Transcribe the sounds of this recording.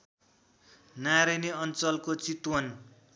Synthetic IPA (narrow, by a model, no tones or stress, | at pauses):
naɾʌneʌnt͡sʌlkot͡sit̪wʌn